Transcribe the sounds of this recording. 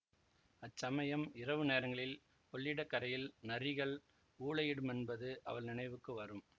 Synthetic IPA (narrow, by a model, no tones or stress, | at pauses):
ɐt͡ʃːsɐmɐjɐmɪrɐʋɯneːɾɐŋɡɐɭɪl | ɔɭːɪɽɐkːɐɾɐjɪlnɐrɪɣɐɭ | uːɭɐjɪɽɯmɛnbɐðɯʔɐ̰ʋɐɭnɪnɐɪʋɯkːɯʋɐɾɯm